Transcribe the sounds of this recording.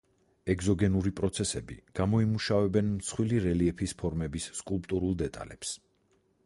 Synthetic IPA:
ɛɡzɔɡɛnuɾipʼɾɔt̪sʰɛsɛbḭɡ̥amɔimuʃavɛbɛnmt̪sʰχwiliɾɛliɛpʰispʰɔɾmɛbisːkʼulˠpʼt̪ʼuɾulˠd̪ɛt̪ʼa̰lɛps

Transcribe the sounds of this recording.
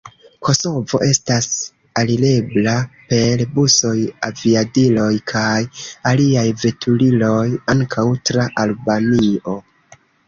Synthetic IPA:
kʰo̞so̞vo̞̰ʔe̞stas | alile̞blape̞lbuso̞javiadilo̞jkʰajaliajve̞tʰulilo̞jaŋkʰawtɾaʔalbanio̞

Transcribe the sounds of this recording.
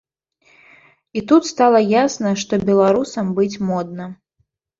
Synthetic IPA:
it̪ut̪st̪alˠɐjasnɐʂt̪ɔbʲɛlˠaɾusɐmbɨt͡sʲmɔd̪̚nɐ

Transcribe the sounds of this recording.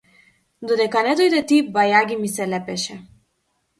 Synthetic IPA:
d̪ɔd̪ɛkanɛd̪ɔjd̪ɛt̪ibajaɡʲimisɛlɛpɛʃɛ

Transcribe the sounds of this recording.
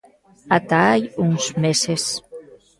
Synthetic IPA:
at̪aajuŋzmeses

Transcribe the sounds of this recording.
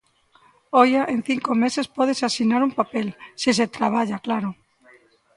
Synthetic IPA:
ojaʔen̟θiŋkomesespɔðesasinaɾumpapelsis̬et̪ɾaβ̞aʎaklaɾo

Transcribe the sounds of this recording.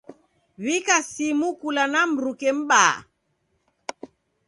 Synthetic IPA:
βikasimukulanam̩ɾukɛm̩ɓa̰ː

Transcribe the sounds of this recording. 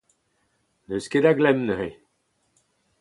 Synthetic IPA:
nøsked̪aɡlɛmnəhe

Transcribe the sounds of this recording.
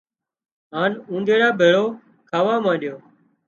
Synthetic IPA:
ɦaːnũːnd̪eːɽaːbʱeːɭoː | kʰaːʋaːmãːɗɪjoː

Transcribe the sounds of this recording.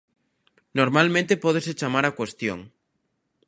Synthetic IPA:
noɾmalmẽnt̪epɔð̞eset͡ʃamaɾakwest̪jo̰ŋ

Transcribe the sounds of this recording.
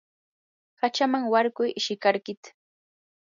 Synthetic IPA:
hat͡ʃamaŋwaɾkʊjʔɪʃɪkaɾkɪt̪ḁ

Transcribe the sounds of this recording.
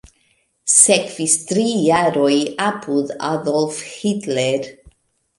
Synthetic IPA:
sɛkʰv̥ɪstɾijaɾɔjapʰuða̰ðɔlˠfhɪdlɛɾ

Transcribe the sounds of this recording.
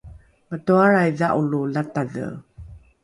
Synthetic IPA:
mətuaɾajðaʔululataðə̰

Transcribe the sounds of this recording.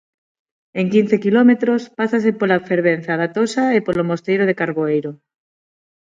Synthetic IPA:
eŋkin̟θekilomet̪ɾospasas̬epolafeɾβ̞en̟θaðat̪osaepolomost̪ejɾoð̞ekaɾβoejɾo

